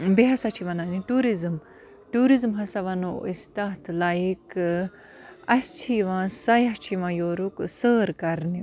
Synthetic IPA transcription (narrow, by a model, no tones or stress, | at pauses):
beɦɐsɐt͡ʃʰiʋɐnaːniʈuːɾizm | ʈuːɾizmɦɐsɐʋɐnoist̪aːt̪ʰlaːjik | ɐst͡ʃʰiʋãːsɐjɐɦt͡ʃʰiʋãːjoːɾuksəːɾkɐɾni